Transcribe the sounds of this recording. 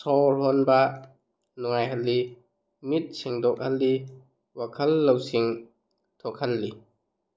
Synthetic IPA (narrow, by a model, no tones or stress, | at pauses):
sɔɾɦɔnba | nɔŋajɦɐlːi | mit̚seŋdɔk̚hɐlːi | wakʰɐlːawsiŋ | tʰɔkʰalːi